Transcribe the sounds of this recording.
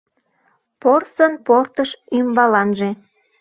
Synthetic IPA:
porsənport̪əʃymbɑlɑnʒe

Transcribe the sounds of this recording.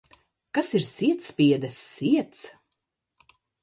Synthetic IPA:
kasiɾsiɛt̪spiɛd̪ɛsːiɛt̪s

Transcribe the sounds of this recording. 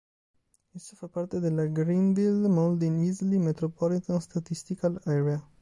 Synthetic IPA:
esːafapːart̪ed̪elːaɡɾind̪ilmɔld̪inizlimet̪ɾopɔlit̪anst̪at̪ist̪ikalɛɾea

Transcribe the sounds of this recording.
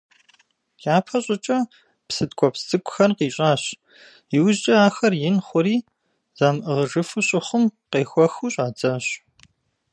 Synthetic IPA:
jaːpʰɐɕʼɪt͡ʃʼɐ | psɨtkʷʰʼɔpstʰʼɨkʷʼʊxɐrqiːɕʼaːɕ | jɪwʑt͡ʃʼɐaːxɐrjɪnχʷʊɾiː | z̥aːmʔɨʁəʒɨfɨɕʼɪχʷʊmqeːxʷɔxuːɕʼaːd͡zɐɕ

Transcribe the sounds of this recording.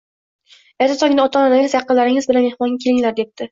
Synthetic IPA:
eɾt̪ʰasʰɒɡʲɪnɪɒt̪ʰɒnad̪aŋʲɪzjɑqːɨlaɾɪŋɪzbɪlanme̞hmɒŋɡʲakʲʰe̞lɪŋlaɾd̪e̞p̚t̪ʰɪ

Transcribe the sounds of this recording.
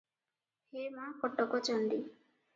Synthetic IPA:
hemãkɔʈːɔkɔt͡ʃɔɳɖi

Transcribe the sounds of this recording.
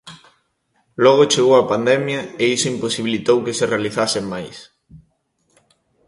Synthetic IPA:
lɔɣ̞ot͡ʃeɣowɐpand̪ɛmjɐeisoimposiβ̞ilit̪owkeserealiθasɪmajs

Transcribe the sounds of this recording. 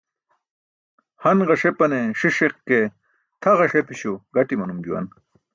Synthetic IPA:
hɐnʁɐʂepɐneʂiʂeqke | t̪ʰɐʁɐʂepiɕuɡɐʈimɐnumd͡ʑuwɐ̰n

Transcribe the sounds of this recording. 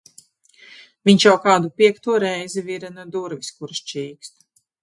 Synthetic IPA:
viɲʲʃjawkaːd̪upiɛkt̪uɔɾɛjziviɾanud̪uɾvʲiskuɾsʃt͡ʃiːkst̪

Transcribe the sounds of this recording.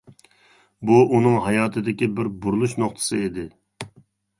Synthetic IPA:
buʔunɨŋɦɑjɑːt̪ʰɨd̪ɪkʲibɪɾbuɾulˠuʃnoχt̪ʰɨ̥sɨid̪ɪ

